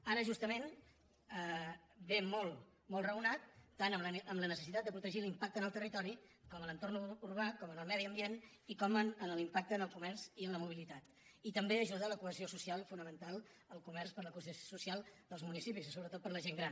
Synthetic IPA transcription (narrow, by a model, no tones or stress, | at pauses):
aɾəʒust̪əmen | əbemɔlˠ | mɔlˠrəunat̪ːanəəmlənəsəsit̪at̪d̪əpɾut̪əʒilimpak̚t̪ənəlˠt̪ərit̪ɔɾikɔmələnt̪ornuurβakɔmənəlˠmɛðiəmbien | ikɔməənəlimpak̚t̪əːnəlˠkumɛrziənləmuβ̞ilit̪at̪ | it̪əmbeəʒuðələkuəziosusialˠfunəmənt̪alˠ | əlˠkumɛɾspəɾləkussosusialˠd̪əlˠzmunisipisisoβɾət̪ot̪̚pəɾləʒeŋɡɾan